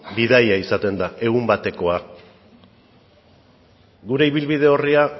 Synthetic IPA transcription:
bið̞ajaisat̪e̞nd̪ae̞ɣ̞umbat̪e̞ko̞a | ɡuɾe̞iβ̞ilβið̞e̞o̞ria

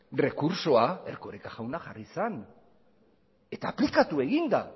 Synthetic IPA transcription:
re̞kuɾso̞ae̞ɾko̞ɾekaʝawnaʝarisan | e̞t̪aːplikat̪ue̞ɣind̪a

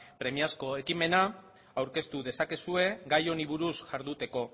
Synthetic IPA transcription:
pɾe̞miasko̞e̞kime̞na | awɾke̞st̪uðe̞sake̞sue̞ɡajo̞niβuɾusʝaɾðut̪e̞ko̞

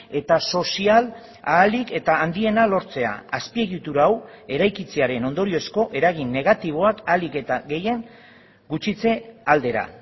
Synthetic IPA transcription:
e̞t̪aso̞sial | aːlike̞t̪aːnd̪ie̞nalo̞ɾt͡se̞a̰ːspie̞ɣit̪uɾaːw | e̞ɾajkit͡se̞aɾe̞no̞nd̪o̞ɾio̞sko̞ʔe̞ɾaɣ̞inːe̞ɣat̪iβ̞o̞akalike̞t̪aɡe̞je̞ŋ | ɡut͡ʃit͡se̞ald̪e̞ɾa̰

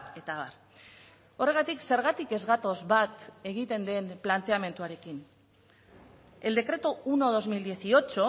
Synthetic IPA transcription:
e̞t̪aβaɾ | o̞re̞ɣ̞at̪ikse̞ɾɣat̪ike̞zɣat̪o̞zβat̪e̞ɣ̞it̪e̞nd̪e̞nplant̪e̞ame̞nt̪uaɾe̞kin | e̞ld̪e̞kɾe̞t̪ouno̞ðo̞zmild̪ie̞sio̞t͡ʃo̞

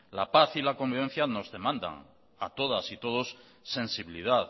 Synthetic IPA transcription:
la̰paθilako̞mbiβ̞e̞n̟θjano̞zðe̞mãnd̪a̰ŋ | a̰t̪o̞ðasit̪o̞ð̞o̞sː | ẽ̞nsiβiliðað

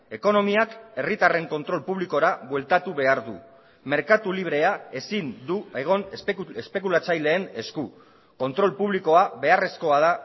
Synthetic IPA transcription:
e̞ko̞no̞miake̞rit̪are̞ŋko̞nt̪ɾo̞lpuβ̞liko̞ɾaβwe̞lt̪at̪uβe̞aɾðṵ | me̞ɾkat̪uliβ̞ɾe̞ae̞sind̪ueɣ̞o̞nespe̞k̬ulat͡sajle̞ːne̞sku | ko̞nt̪ɾo̞lpuβ̞liko̞aβe̞are̞sko̞aða

